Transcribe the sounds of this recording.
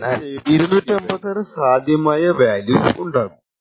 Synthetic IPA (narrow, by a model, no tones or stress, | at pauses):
naːiɾunuːtːembɐt̪ːɐrɨsaːd̪ʱjɐmaːjɐʋaːljuːsuɳɖaːɣu